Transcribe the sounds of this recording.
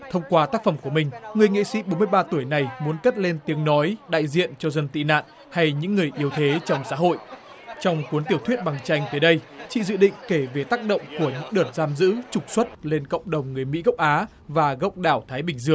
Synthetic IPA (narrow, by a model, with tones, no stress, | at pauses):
t̪ʰə˧wŋ͡mkwaː˧t̪aː˦˥k̚fə˧˩mku˧˩əmï˨˩ŋ̟ŋɨ˨˩əjŋḭ˧˨sḭ˧˥ɓo˨˦mɨ˧əjɓaː˧t̪u˧˩əjna˨˩jmu˨˦ənkə˦˥t̚le˧nt̪i˨˦əŋnɔ˨˦jɗa̰ː˧˨jzḭ˧˨ənt͡ɕɔ˧zə˧nt̪ḭ˧˨na̰ː˧˨n | ha˧jɲɨ̰˧˥ŋːɨ˨˩əjʔi˨˦əwt̪ʰe˨˦t͡ɕɔ˧wŋ͡msa̰ː˧˥ɦo̰˧˨j | t͡ɕɔ˧wŋ͡mkwənt̪i˧˩əwt̪ʰwət̚ɓa˨˩ŋt͡ɕa˧jŋ̟t̪əː˨˦jɗə˧jt͡ɕḭ˧˨zɨ̰˧˨ɗḭ̈˧˨ŋ̟ke˧˩ve˨˩t̪aː˦˥k̚ɗə̰˧˨wŋ͡mku˧˩əɲɨ̰˧˥ŋɗəː˨˧˩t̚zaː˧mzɨ̰˧˥t͡ɕʊ˨˩k͡p̚swə˦˥t̚le˧nkə̰˧˨wŋ͡mɗə˨˩wŋ͡mŋɨ˨˩əjmḭ˧˥ɣə˦˥wk͡p̚ʔaː˨˦ | vaː˨˩ɣə̰˧˥wk͡p̚ɗaː˧˩wt̪ʰaː˨˦jɓï˧˩ŋ̟zɨ˧˩əŋ